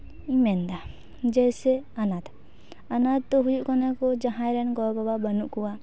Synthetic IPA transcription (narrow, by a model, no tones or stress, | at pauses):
imɛnd̪a | d͡ʒɛsɛanad̪ | anad̪̚t̪ɔɦujuʔkɔnɛkɔd͡ʒaɦãjɾɛnɡɔbababənuʔkuwa